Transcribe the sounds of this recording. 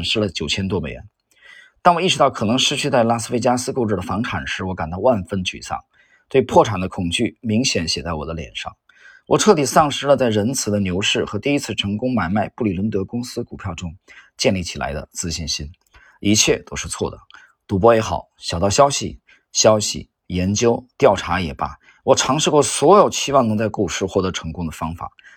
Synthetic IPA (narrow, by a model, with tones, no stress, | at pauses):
nʂɻ̩˥lə˨t͡ɕjo˨˩ʊt͡ɕʰjɛ˥nt̪̬wɔ˥me˨˩ɪɻɛ̰˧˥n | t̪a˥˩nwɔ˨˩i˥˩ʈ͡ʂɻ̩˧˥˩ʊkʰɤ˨˩nɤ˧˥ŋʂɻ̩˥t͡ɕʰy˥˧t͡sa˥˩ɪla˥sɹ̩˥fe˥ɪt͡ɕja˥sɹ̩˥ko˥˧ʊʈ͡ʂɻ̩˥˩də˩fɑ˧˥ŋʈ͡ʂʰa˨˩nʂɻ̩˧˥wɔ˧˥ka˨˩nt̪ɑ˥˧ʊwa˥˩nfə˥nt͡ɕy̰˨˩sɑ̰˥˩ŋ | t̪we˥˧ɪpʰwɔ˥˩ʈ͡ʂʰa˨˩nd̪ə˦kʰʊ˨˩ŋt͡ɕy˥˩mi˧˥ŋɕjɛ˧˥nɕjɛ˨˩t͡sa˥˩ɪwɔ˨˩d̪ə˦ljɛ̰˨˩nʂɑ̰˥˩ŋ | wɔ˨˩ʈ͡ʂʰɤ˥˩t̪i˨˩sɑ˥˩ŋʂɻ̩˧˥lə˧t͡sa˥˩ɪɻə˧˥nt͡sʰɹ̩˨˩d̪ə˦njo˧˥ʊʂɻ̩˥˩xɤ˧˥t̪i˥˩i˥t͡sʰɹ̩˥˩ʈ͡ʂʰɤ˧˥ŋkʊ˥ŋma˨˩ɪma˥˧ɪpu˥˩li˨˩lwə˧˥nt̪ɤ˧˥kʊ˥ŋsɹ̩˥ku˨˩pʰjɑ˥˩ʊʈ͡ʂʊ˥ŋt͡ɕjɛ˥˧nli˥˩t͡ɕʰi˨˩la̰˧˥ɪd̪ə̰˧t͡sɹ̩˥ɕi˥˩nɕi˥n | i˧˥t͡ɕʰjɛ˥˩t̪o˥ʊʂɻ̩˥˧t͡sʰwɔ˥˩d̪ə˩ | t̪u˧˥p̬wɔ˥jɛ˧˥xɑ̰˨˩˦ʊɕjɑ˨˩ʊt̪ɑ˥˩ʊɕjɑ˥ʊɕḭ˨ | ɕjɑ˥ʊɕḭ˨˩ | jɛ˧˥nt͡ɕjo˥ʊt̪jɑ˥˩ʊʈ͡ʂʰa˧˥jɛ̰˨˩bɐ̰˧ | wɔ˨˩ʈ͡ʂʰɑ˧˥ŋʂɻ̩˥˧kwɔ˥˩swɔ˧˥jo˨˩ʊt͡ɕʰi˥wɑ˥˧ŋnɤ˧˥ŋt͡sa˥˧ɪku˥˩ʂɻ̩˥˧xwɔ˥˩t̪ɤ˧˥ʈ͡ʂʰɤ˧˥ŋkʊ˥ŋd̪ə˨fɑ˥ŋfa̰˨˩˦